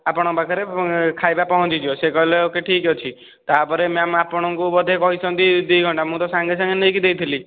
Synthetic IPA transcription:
apɔɽ̃ɔbakʰaɾekʰajbapɔɦɔ̃t͡ʃid͡ʒ̪iosekɔileokeʈʰiket͡ʃʰi | t̪aːpɔɾemeamapɔɽ̃ɔŋkubɔd̪ʱekɔɦit͡ʃʰɔnt̪id̪uɡʱɔɳʈamũt̪ɔsaŋɡesãŋɡenɔjkid̪ejt̪ʰili

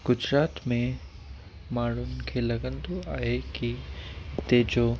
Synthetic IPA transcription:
ɡ̥ʊd͡ʑɾaːt̪mẽ | maːɽ̤ʊnɪ̆kʰeːlɐɡə̃nd̪oaːɦekit̪eːd͡ʑoː

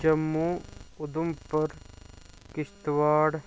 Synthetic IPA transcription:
d͡ʒɐmːuːʊd̪umpɐɾ | kɪʃt̪ʋaːɽ

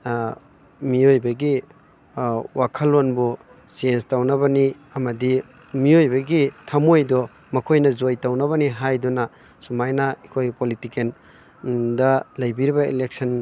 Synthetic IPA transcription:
miojbɐɡi | wakʰɐlːonbu | sienstawnɐbɐni | ɐmɐdi | miojbɐɡitʰɐmojdɔ | mɐkʰojnɐzojtawnɐβɐniɦajdɔnɐ | sumajnaikʰojpolitiken | dɐlɐjbiɾibɐḭlek̚sɐn

